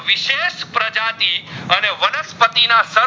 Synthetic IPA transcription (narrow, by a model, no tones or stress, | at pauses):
ʋɪʃeʃpɾəd͡ʒat̪iəneʋənəspət̪inasə